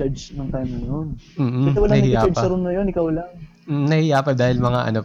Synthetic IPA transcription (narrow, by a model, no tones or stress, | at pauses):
at͡ʃnɐŋt̪ajmɐnon̩ːɐsɛwɐlah̪ijaːad͡ʒɐɾʊnːɐjonɪkawlɐŋ̩ː | nɐhɪjaːpɐd̪aːhɪlmɐŋa̰ʔɐ̰no̞